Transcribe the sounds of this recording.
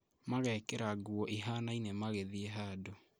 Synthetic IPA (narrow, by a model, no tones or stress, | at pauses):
maɣɛkeɾaɡuɔʔiɦaːnainemaɣeðieɦaːdo